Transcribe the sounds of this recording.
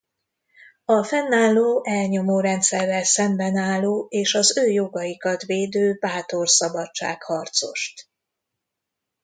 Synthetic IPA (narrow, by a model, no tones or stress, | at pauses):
ɒfɛnːaːlːoːʔɛlɲo̞moːɾɛnt̪sɛrːɛlsɛmbɛnaːlːoːeːʃɒzøːjoɡɒjikɒt̪ʋeːd̪øːbaːt̪o̞rsɒbɒt͡ʃt͡ʃːa̰ːkhɒrt̪so̞̰ʃt̪